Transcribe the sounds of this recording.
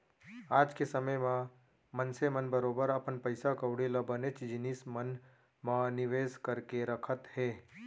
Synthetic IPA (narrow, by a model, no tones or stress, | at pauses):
aːd͡ʒkesəməjmã | mənsemənbəɾoːbəɾəpənpəɪsakəʊɽilabənet͡ʃd͡ʒɪnismən | mãnɪʋeːskəɾkeɾəkʰət̪hɛː